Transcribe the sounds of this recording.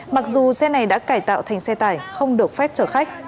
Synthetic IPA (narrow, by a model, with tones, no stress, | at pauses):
ma˨˩k̚zu˨˩sɛ˧na˨˩jɗa̰ː˧˥kaː˧˩jt̪a̰ː˧˨wt̪ʰa˨˩ŋ̟sɛ˧t̪aː˧˩jxə˧wŋ͡mɗɨ˨˩ək̚fɛ˦˥p̚t͡ɕəː˧˩xa˦˥jk̚